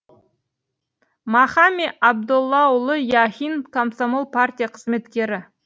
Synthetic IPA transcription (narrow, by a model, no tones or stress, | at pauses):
mɑχɑmeʔɑb̚d̪ʊlˠːɑʊlˠəjɑxʲinkʰomsomolˠpʰart̪ʲijaqʰəzme̞t̪kʲe̞ɾɪ